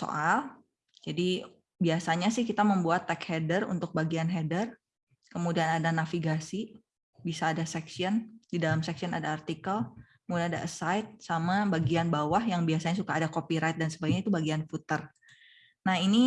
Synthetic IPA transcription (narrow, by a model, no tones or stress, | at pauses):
so̰ʔal | d͡ʒadi | biasaɲasɪhkit̪aməmbuat̪ːɛkhɛdərṵnt̪ʊk̚baɡianɦɛdər | kəmudianadanafiɡasi | bisaːdasɛksiɔndidalamsɛksiɔna̰daːrt̪ikəlkəmudianada̰ʔəsajt̪̚samabaɡianbawahjaŋbiasaɲas̬ukaːdakopiɾajt̪̚dansəbak̚ɲait̪ubaɡianfut̪ər | nahini